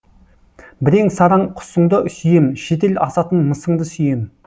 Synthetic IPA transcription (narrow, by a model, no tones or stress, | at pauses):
bɪɾe̞ŋsɑɾɑɴqʰʊ̥səɴd̪əsʏjemʃe̞t̪̬e̞lʔɑsɑt̪ənməsəɴd̪əsʏjem